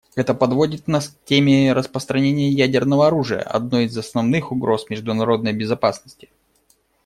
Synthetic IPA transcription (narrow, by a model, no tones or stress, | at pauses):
ɛt̪əpɐd̪vo̞dʲɪt̪nasktʲemʲɪɾəspɾəst̪ɾɐnʲenʲɪjəjædʲɪrnəvəɐɾuʐɨjə̰ʔɐ̰d̪no̞ɪzɐsnɐvnɨxʊɡɾo̞smʲɪʐd̪ʊnɐɾo̞d̪nəjbʲɪzɐpasnəsʲtʲɪ̥